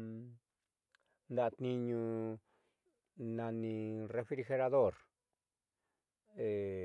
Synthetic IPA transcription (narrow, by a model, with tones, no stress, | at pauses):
nd̪a˦˨˧t̪nĩ˧ɲũ˧ | nã˧nĩ˧re˧fɾɾi˧xe˧ɾa˧ðo˦˨ɾ | e˨